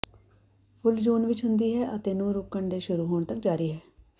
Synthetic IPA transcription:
pʰʊld͡ʒuːnʋɪt͡ʃɦʊnd̪iːɦɛːʔət̪eːnũːɾʊkːəɳɖeːʃʊɾuːɦoːɳ̃t̪ək̚d͡ʒaːɾiːɦɛː

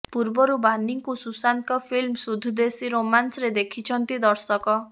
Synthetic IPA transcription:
puɾbɔɾubaniŋkususankɔpʰilmsud̪ʱːud̪esiɾomansɔɾed̪ekʰit͡ʃʰɔnt̪id̪ɔɾsɔkɔ

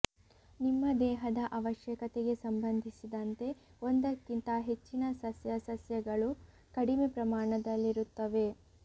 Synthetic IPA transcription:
nimːɐd̪ɛːɦɐd̪ɐʔɐʋɐʃjɐkɐt̪eɡe̞sɐmbɐnd̪ʱisid̪ɐnt̪e̞o̞nd̪ɐkːint̪ɐɦe̞t͡ʃːinɐsɐsjɐsɐsjɐɡɐɭu | kɐɽimepɾɐmaːɳɐd̪ɐlːiɾut̪ːɐʋe̞

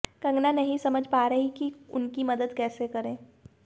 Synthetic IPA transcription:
kɐ̃ŋɡnanɐɦĩsɐməd͡ʒʱpaːɾɐɦikiʊnkimɐd̪əd̪kɛːsekɐɾẽː

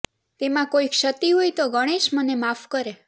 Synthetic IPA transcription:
t̪emãkoikʃət̪iɦojt̪oɡəɽ̃eʃmənemafkəɾe

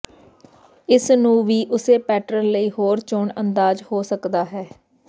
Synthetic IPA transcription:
ɪsnũːʋiːʔʊseːpɛːʈɾəɾləiːɦoːɾt͡ʃʊɳənd̪aːd͡ʒhoːsəkd̪aːɦɛː

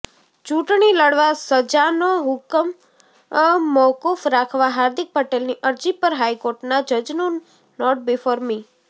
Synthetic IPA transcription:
t͡ʃũʈɳiləɽʋasəd͡ʒanoɦʊkəm | ɔkufɾakʰʋaɦaɾd̪ʱik̚pəʈelniʔəɾd͡ʒipəɾɦajkoɾʈnad͡ʒəd͡ʒnu | nɔʈ̚bɪfoɾmi

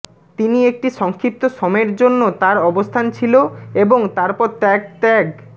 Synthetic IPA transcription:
t̪iniek̚ʈiʃɔŋkʰɾip̚t̪oʃɔmeɾd͡ʑonːot̪aɾɔbost̪ʰant͡ɕʰiloeboŋt̪aɾpɔɾt̪ɛɡ̚t̪ɛɡ

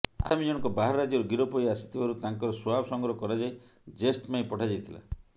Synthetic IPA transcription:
a̰mid͡ʒɔɽ̃ɔ̃ŋkɔbaɦaɾɔɾad͡ʒɔɾuɡiɾɔpɔjasi̥t̪ʰibaɾut̪aŋkɔɾɔsɔabɔsɔŋɡɾɔɦɔkɔɾad͡ʒaj | d͡ʒesʈpaĩpɔʈʰad͡ʒajt̪ʰila̰

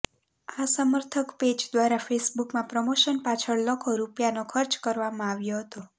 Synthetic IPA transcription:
asəməɾt̪ʰəkped͡ʒd̪ʋaɾafʰesbukmãpɾəmoʃənpat͡ʃʰəɭləkʰoɾupjanokʰəɾt͡ʃkəɾʋamãaʋjoɦət̪o

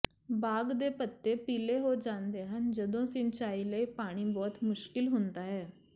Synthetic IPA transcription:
baːɡd̪eːpət̪ːeːpiːleːɦoːd͡ʒãːnd̪eːɦənd͡ʒəd̪õːsɪnt͡ʃaːiːləiːpaːɽ̃iːbɔːt̪mʊʃkɪlɦʊnd̪aːɦɛː

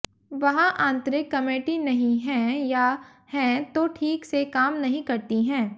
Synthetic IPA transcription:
ʋɐɦãʔãːnt̪ɾɪkːɐmeːʈinɐɦĩɦɛ̃ja | hɛ̃t̪oʈʰiːksekaːmnɐɦĩkɐɾt̪iɦɛ̃ː

